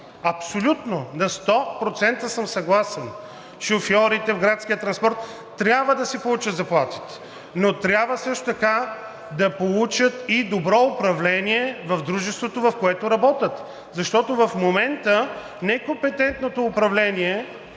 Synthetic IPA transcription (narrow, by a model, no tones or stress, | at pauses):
ɐpsolʲut̪nonɐst̪ɔpɾot̪sɛnt̪əsəmsɐɡlˠasɛn | ʃofjɔɾit̪ɛvɡɾat̪skʲijət̪ɾɐnspɔɾt̪ː | ɾʲabvəd̪ɐsipolˠut͡ʃət̪zɐplˠat̪i̥t̪ɛ̥ | not̪ɾʲjabvəsɤʃt̪ot̪ɐka | d̪ɐpolˠut͡ʃət̪id̪obɾɔʊpɾɐvlɛniɛvɐvd̪ɾuʒɛst̪vot̪ovɐfkoɛt̪ʊɾɐbɔt̪ʲət̪ | zɐʃt̪ɔt̪ovɐfmomɛnt̪ə | nɛkompɛt̪ɛnt̪not̪oːpɾɐvlɛniɛ